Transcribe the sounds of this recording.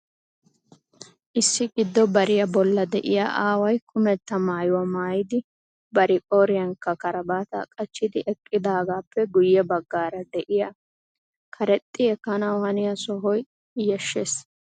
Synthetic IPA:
ʔɪsːɪɡɪd̪ːɔbɐɾɪjɐbɔlːɐd̪ɛʔɪja̰ʔaːwɐjkʰʊmɛt̪ːɐmaːjʊwɐmaːjɪd̪ɪ | bɐɾɪkʼoːɾɪjɐnkːɐkɐɾɐbaːt̪ɐ̰kʼɐt͡ʃːɪd̪ɪʔɛkʼːɪd̪aːɡaːpʰːɛɡʊjːɛbɐɡːaːɾɐd̪ɛʔɪjɐ | kʰɐɾɛt̪ʼːɪɛkːɐnɐwhɐnɪjɐsɔɦɔj | jɛʃːes

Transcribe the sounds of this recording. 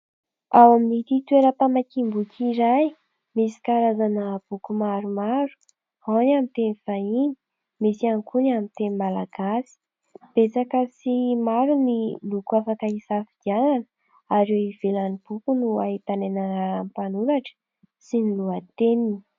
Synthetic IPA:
awaminit̪it̪ueɾəpamakimbukiɾaj | misi̥kaɾazanəb̥ukumaɾumaɾu̥ | hanamint̪enifaini | misiankunamint̪enimalaɡ̥asi̥ | b̥et͡sakəsimaɾunilukuafakaisafid̪iananə | aɾewiv̥elanib̥ukunuaɦit̪anenanampanuɾaʈ͡ʂə̥ | siniluat̪eninii̥

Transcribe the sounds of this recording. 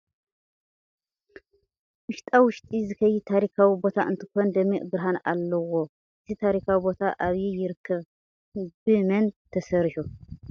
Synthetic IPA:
mɨʃt̪ʼawʊʃt̪ʼizɨkʰɐjːit̪ʰaɾikʰawibo̞t̪ʰaʔɨnt̪ʰɨ̥kond̪əmːiʔbɨɾɦanalːəwo | jət̪ʰit̪ʰaɾikʰawibo̞t̪ʰaʔaβjejɪɾɨkʰːəβ | bɨmənt̪ʰəsəɾʃu

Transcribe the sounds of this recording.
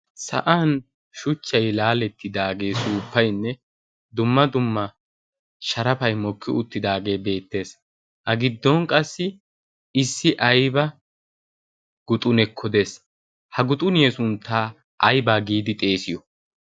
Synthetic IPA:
sɐ̰ʔaːn | ʃʊt͡ʃːɐjlaːlɛt̪ːɪd̪aːɡe̞ːsuːpːɐjnːɛ | d̪ʊmːɐd̪ʊmːɐ | ʃɐɾɐpɐjmɔkːɪʊt̪ːɪd̪aːɡe̞ːbe̞ːt̪ːe̞ːs | hɐɡɪd̪ːɔnkʼɐsːɪ | ɪsːɪʔɐjbɐ | ɡ̥ʊt̪ʼʊnɛkʰːɔd̪e̞ːs | hɐɡʊt̪ʼʊnɪjɛsʊnt̪ʰːaː | ʔɐjbaːɡiːd̪ɪt̪ʼe̞ːsɪjɔ

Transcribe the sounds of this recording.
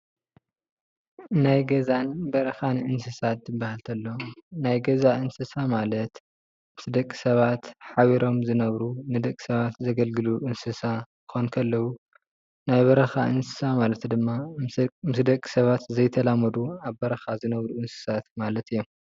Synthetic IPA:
najɡɐzanbɐɾɐxanʔɨnsɨsat̪zɨbːahalt̪ʰɐlːo̞najɡɐzaʔɨnsɨsamalɐt̪ | mɨsd̪ɐkʼːi̥sɐβat̪ħaβiɾo̞mzɨnɐβɾunɨd̪ɐkʼːi̥sɐβat̪zɐɡɐlɡɨluʔɨnsɨsa | xonkʰɐlːɐwu | najβɐɾɐxaʔɨnsɨ̥samalɐt̪d̪ɨmːamɨsd̪ɐkʼi̥sɐβat̪zɐjt̪ʰɐlamɐd̪uaβbɐɾɐxazɨnɐβɾuʔɨnsɨ̥sat̪malɐt̪ɨjːom

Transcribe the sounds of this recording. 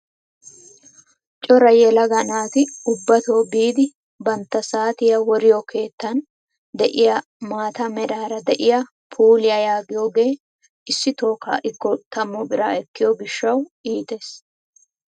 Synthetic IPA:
t͡ʃʼɔɾɐjɛlɐɡɐnaːt̪ɪʊbːɐt̪oːbiːd̪ɪ | bɐnt̪ːɐsaːt̪ɪjɐwɔɾɪjokʰe̞ːt̪ːɐn | d̪ɛʔɪjɐ | maːt̪ɐmɛɗaːɾɐd̪ɛʔɪja | pʰuːlɪjɐjaːɡɪjoːɡe̞ː | ʔɪsːɪt̪o̞ːka̰ːʔɪkːɔt̪ɐmːʊbɪɾaːɛkːɪjɔɡɪʃːɐwiːt̪e̞ːs

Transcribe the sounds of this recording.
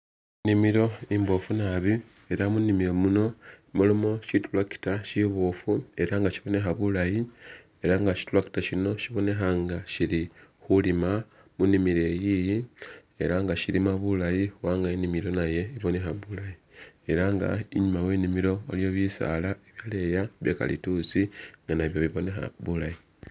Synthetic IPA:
nimiɾo̞imbo̞funaβi | e̞ɾamunimiɾomuno̞molumo̞ʃitulwaki̥taʃiβofue̞ɾaŋɡaʃiβo̞ne̞xaβulaji | e̞ɾaŋɡaʃi̥tulwaki̥taʃino̞ʃiβo̞ne̞xaŋɡaʃiɾi | xulima | munimiɾe̞jiji | e̞ɾaŋɡaʃiɾimaβulajiwaːŋɡaenimiɾo̞naje̞iβo̞ne̞xaβulajie̞ɾaŋɡa̰iɲumawe̞ːnimiɾo̞ːlijo̞βisa̰laeβjale̞jaβjeka̰lḭtut͡siŋɡanaβjoβiβo̞ne̞xa̰βulaji

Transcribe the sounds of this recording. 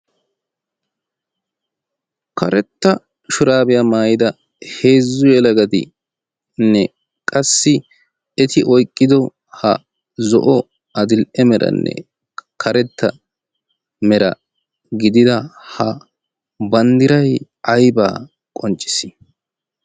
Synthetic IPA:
kʰɐɾɛt̪ːɐ | ʃʊɾaːbɪjamaːjɪd̪ɐ | he̞ːzːʊjɛlɐɡɐd̪ɪ̰ | nːɛ | kʼɐsːɪ | ɛt̪ɪʔɔjkʼːɪd̪ɔ | hɐ | zɔ̰ʔɔ | ɐd̪ɪlʔɛmɛɾʔɐ̰nːɛ̰ | kʰɐɾɛt̪ːɐ | mɛɾɐ̰ | ɡɪd̪ɪd̪ɐhɐ | bɐnd̪ɪɾɐj | ɐjba̰ː | kʼɔnt͡ʃʼːɪ̥sɪ̥

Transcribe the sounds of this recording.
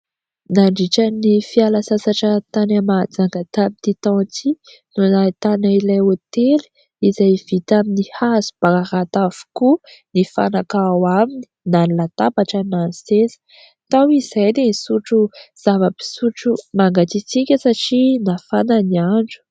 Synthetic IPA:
naɳɖ͡ʐiʈ͡ʂənifialasasaʈ͡ʂət̪anamad͡zaŋɡat̪amit̪it̪ɔ̃t̪i | nunat̪anailajot̪eli̥ | izajv̥it̪aminihaz̥u̥b̥aaɾat̪av̥u̥kunifa̰nakawamini̥nanlat̪abaʈ͡ʂənansesə̥ | t̪awiz̥ajd̪enisuʈ͡ʂuz̥avəbi̥suʈ͡ʂumaŋɡat̪it͡sikʲəsaʈ͡ʂinafananiaɳɖ͡ʐu̥

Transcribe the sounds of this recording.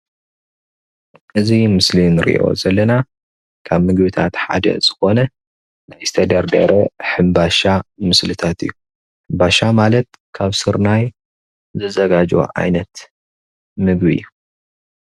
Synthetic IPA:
ʔɨzimɨslinɨɾḭʔo̞̰zɐlːɐna | kʰaβmɨɡbɨt̪ʰat̪ħa̰d̪ɐ̰z̥ɨxo̞nɐ | najst̪ʰɐd̪ɐɾd̪ɐ̰ɾoħɨmbaʃamɨslɨt̪ʰat̪ɨ̰jːu | ħɨmbaʃamalɐt̪̚ | kʰaβsɨɾnaj | zɨzɐɡad͡ʒo̰ʕa̰jnɐt̪ | mɨɡbiɨ̰jːu

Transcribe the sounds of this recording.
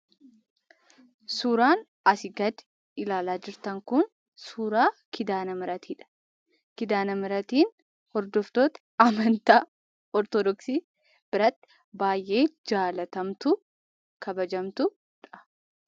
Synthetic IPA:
suːɾaːn | ɐsɪɡɐd̪ | ɪlaːlaːd͡ʒɪɾt̪ɐŋkʊn | suːɾaːkɪd̪aːnɐmɪɾɐt̪ʰiːᶑɐ̥ | kɪd̪aːnɐmɪɾɐt̪iːn | hɔɾd̪ɔft̪oːt̪ɐ̥ | ɐmɐnt̪aː | ɔɾt̪ɔd̪ɔksiː | b̥ɪɾɐt̪ːɪ̥ | baːjʔe̞ːd͡ʒaːlɐt̪ɐmt̪ʊ | kʰɐbɐd͡ʒɐmt̪ʊ | ᶑɐ̥

